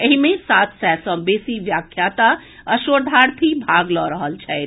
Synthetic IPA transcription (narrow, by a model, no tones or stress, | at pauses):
eɦimẽsat̪ʰsɛsɔ̃besiʋjakʰjat̪aəʃoːɾd̪ʱaɽpʰibʱaɡlɔɾəɦəlt͡ʃʰɛ